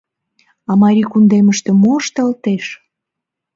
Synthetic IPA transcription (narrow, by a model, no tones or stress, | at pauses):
ɑmɑɾʲikund̪eməʃt̪ĕmoʃt̪ɑlt̪eʃ